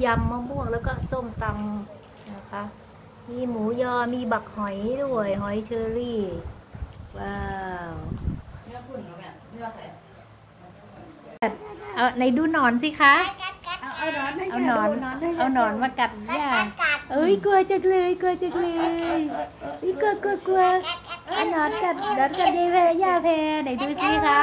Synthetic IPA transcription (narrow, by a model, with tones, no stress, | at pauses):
ja˧mːɔː˧ŋbu˥˩əŋlɛː˦˥wkɔː˥˩so˧˥˩mt̪a˧m | a˧˩kʰa˦˥ʔ | miː˧muː˨˩˦jɔː˧˩miː˧ba˨˩k̚hɔ˨˩˦jdu˥˩əjɦɔ˨˩˦jt͡ɕʰɤː˧liː˧˥˩ | waː˧˩w | ka˨˩t̚ʔa˧˩na˧˩jduː˧˦nɔː˨˦nsiː˧˦kʰa˧˦˥ʔ | ʔa˧wnɔː˨˦n˦˧a˧wnɔː˨˦nmaː˧ka˨˩t̪̚jaː˧˩ʔɤː˧˦jku˧ɐt͡ɕa˧˩k̚lɯː˧jku˧ɐət͡ɕa˧˩k̚lɯː˧jʔɯː˧˦jku˧əku˧ɐ˧ku˧əʔa˧wnɔː˨˦nka˧˩t̪̚nɔː˨˦nka˨˩t̚ja˧pʰɛː˧jaː˧˩pʰɛː˧na˧˩˦jduː˧˦si˧˦kʰa˧˥